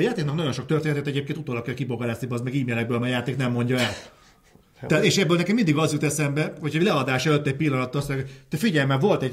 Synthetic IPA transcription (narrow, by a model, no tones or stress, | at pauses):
jaːt̪eːknɒknɒɟo̞nʃo̞kt̪ørt̪enɛt̪ɛt̪ɛɟeːpkent̪ut̪oːlɒkjɒkiboɡɒɾaːst̪ibɒzmɛɡiːmeːlɛɡ̚bøːlmaːjjaːt̪eːknɛmːo̞ɲɟɒɛl | ɛːt̪eːʃɛbːølnɛkɛmːind̪iɡɒzjut̪ɛsɛmbɛhocʰɒlɛɒd̪aːʃɛløt̪ːɛɟ̚pilːɒnɒt̪ːsɛot̪øfiɟɛlmɛlvo̞lt̪ɛɟ